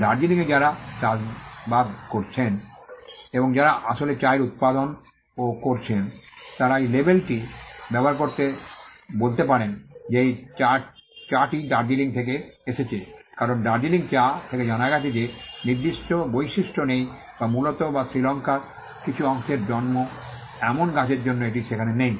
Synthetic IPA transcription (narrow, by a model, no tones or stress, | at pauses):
ɖaɾd͡ʑiliŋed͡ʑaɾatabad̪koɾt͡ɕʰen | eboŋd͡ʑaɾaʔaʃolet͡ɕaeɾut̪̚pad̪on | okoɾt͡ɕʰent̪aɾaejlebelʈibɛboaɾkoɾt̪ebolt̪epaɾend͡ʑejt͡ɕat͡ɕaʈiɖaɾd͡ʑiliŋt̪ʰek̬eeʃet͡ɕʰekaɾonɖaɾd͡ʑiliŋt͡ɕat̪ʰeked͡ʑanaɡat͡ɕʰed͡ʑeniɾd̪iʃʈobojʃiʃʈonej | bamulot̪obasɾilɔŋkaɾ | kit͡ɕʰuɔŋʃeɾd͡ʑɔnmo | ɛmonɡat͡ɕeɾd͡ʑonːoeʈ̬iʃekʰanenej